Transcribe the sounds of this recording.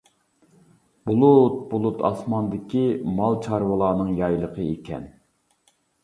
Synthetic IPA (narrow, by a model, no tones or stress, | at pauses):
bulˠut̪̚bulˠut̪ʰɑ̰smɑnd̪ɪkʲimɑlˠt͡ʃʰɑɾwəlˠɑːnɨŋjɑjlˠəqʰəekʲʰɛ̰n